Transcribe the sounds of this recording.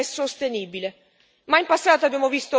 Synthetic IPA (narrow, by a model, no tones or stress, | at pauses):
ɛsost̪eniːbile | maimpasːaːt̪abːjaːmovist̪o